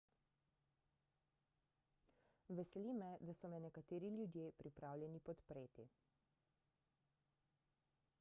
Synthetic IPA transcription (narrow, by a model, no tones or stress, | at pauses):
ʋɛsɛlimɛd̪asɔmɛnɛkat̪eːɾiljud̪jepɾipɾaːwlʲjɛnipɔt̪pɾeːt̪i